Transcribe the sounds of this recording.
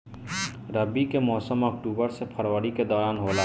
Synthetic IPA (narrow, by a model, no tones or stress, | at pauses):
ɾəbikemɔːsəmɔk̚ʈuːbəɾsepʰəɾʋəɽiked̪ɔɾaːnɦoːla